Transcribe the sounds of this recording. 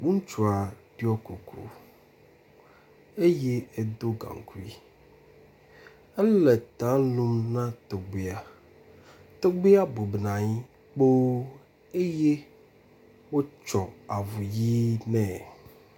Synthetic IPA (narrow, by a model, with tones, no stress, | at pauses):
ŋũ˦n˦t͡ʃu˨a˨ɖ̥i˦ɔ˦ko˨kʰṵ˦ | e˦je˦e˦d̪o˦ɡã̰˨ŋ˨kʰu˦i˦ | ɛ˦le˨t̪ã˦lũ˦mnã˦t̪o˨ɡ͡be˨a˨ | t̪o˦ɡ͡be˦a˦bo˨bnã˨ɲĩ˦ | k͡po˦ | e˦je˦ | wo˦t͡ʃɔ˨a˨vu˨ji˦nɛ̃˦˨